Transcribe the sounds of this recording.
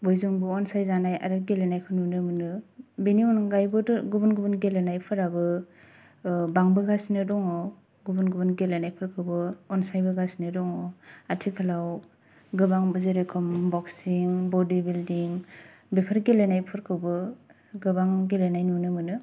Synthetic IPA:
bɔjzɯŋbɯɔnsajzanaja̰ɾɯɡelenajkʰɯnunɯmɯnɯbeniɔnɡajbɯdɡubunɡubɯnɡelenajpʰɯɾabɯ | baŋbɯɡasnɯdɔŋaw | ɡubɯnɡubɯnɡelenajpʰɯɾkʰɯwbɯɔnsajbɯɡasnɯdɔŋaatʰikʰalaw | ɡɯbaŋbɯzeɾekʰɯmbɔksiŋbɔdibildiŋ | bepʰaɾɡelenajpʰɯɾkʰɯwbɯ | ɡɯbaŋɡelenajnunɯmɯnɯ

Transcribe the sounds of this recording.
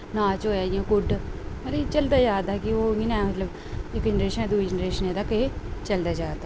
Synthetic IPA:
nãːt͡ʃɦoːjaːɪjãːkʊɖməɾet͡ʃəld̪aːd͡ʒaːd̪aːkɪoːɡinamət̪ləb | ɪkd͡ʒənəɾeːʃənɛ̃ːd̪uid͡ʒənɾeːʃəneːd̪aːket͡ʃəld̪aːd͡ʒaːd̪aː

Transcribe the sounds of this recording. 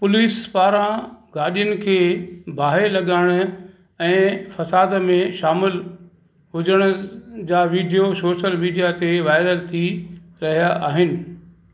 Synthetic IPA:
pʊliːspaːɾãɡaːɗijʊnɪ̆kʰeːbʱaːɦelɐɠaːɪɽ̃ʊ̆ | ɛ̃ːfɐsaːd̪mẽʃaːmɪl | ɦʊd͡ʑəɽ̃ʊ̆d͡ʑaːʋiːɖijosoːʃəlmiːɖijat̪eʋaːɪɾəlt̪ʰiɾɐɦijaʔaːɦɪnɪ̆

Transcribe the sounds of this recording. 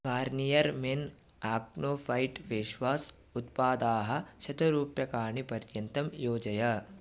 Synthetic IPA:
kaːɾnijɐɾmen | aːknoːfʰɐjʈʋeːʃʋaːs | ut̪̚paːd̪aːɦɐ̆ʃɐt̪ɐɾuːpjɐkaːɳipɐɾjɐnt̪ɐmjoːd͡ʒɐjɐ

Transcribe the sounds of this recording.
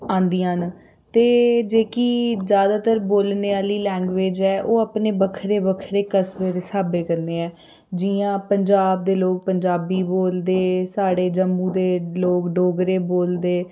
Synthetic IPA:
ãːnd̪ijãːn | t̪eːd͡ʒeːkiːzjaːd̪aːt̪əɾboːlneːaːliːlɛ̃ːŋɡʋeːd͡ʒɛːʔoːəpneːbəkʰɾeːbəkʰɾeːkəsbeːd̪eːsaːbeːkəɾneːɛː | d͡ʒiãːpəɲd͡ʒaːb̚d̪eːloːk̚pəɲd͡ʒaːbiːboːld̪eːsaːɽeːd͡ʒəmːũːd̪eːloːkɖoːɡɾeːboːld̪eː

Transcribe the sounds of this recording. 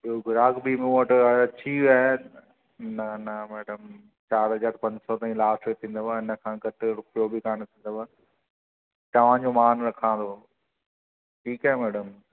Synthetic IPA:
bioɡʱʊɾaːɡbɪmũəʈɐɐt͡ɕʰiʋaː | nɐnɐmɛːɖəm | t͡ɕaːɾɦɐzaːɾpɐ̃ɲd͡ʑsɔt̪aːĩlaːsʈɾet̪ʰĩːn̆d̪obaɪnəkʰãːɡɐʈʰɾʊpɪjobikaːɽ̃t̪ʰĩːnd̪oʋaː | t̪ɐʋ̤ãd͡ʑomaːnɾɐkʰãːnd̪o | ʈʰiːkaːɦemɛːɖəm

